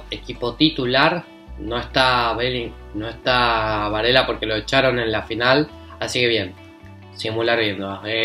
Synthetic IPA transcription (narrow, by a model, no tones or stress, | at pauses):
ekipo̞t̪it̪ulaɾ | no̞est̪aβeli | no̞est̪aβaɾelapo̞ɾke̞lo̞et͡ʃaɾo̞nẽ̞nlafinal | asike̞βje̞n | simulaɾβjend̪oa